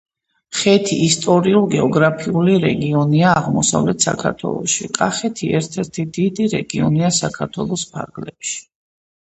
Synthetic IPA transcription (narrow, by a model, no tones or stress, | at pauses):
χɛt̪ʰiʔːst̪ʼɔɾiulˠɡɛɔɡɾapʰiuliɾɛɡiɔniaːʁmɔsa̰vlɛt̪ʰsa̰kʰaɾt̪ʰwɛ̰lˠɔ̰ʃikʼaχɛt̪ʰiɛɾt̪ʰɛɾt̪ʰid̪̥id̪iɾɛɡiɔniasakʰaɾt̪ʰwɛlˠɔspʰa̰ɾɡlɛpʃi̥